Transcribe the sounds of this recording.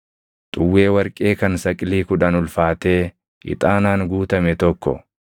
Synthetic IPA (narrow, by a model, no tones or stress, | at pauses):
t̪ʼʊwːe̞ːwɐɾkʼe̞ːkɐnsɐkʼɪliːkʊᶑɐnʊlfaːt̪e̞ː | ʔɪ̰t̪ʼaːnaːŋɡuːt̪ɐmɛt̪ɔkːɔ̰